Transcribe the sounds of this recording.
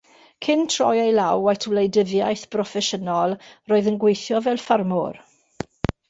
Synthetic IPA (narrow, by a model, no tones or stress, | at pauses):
kʰɪntʰr̥ɔ̰jejlawatʰwlejdəvjajθb̥rɔfɛʃənɔlˠroːɨðənɡwejθjɔvɛlˠfarmɔr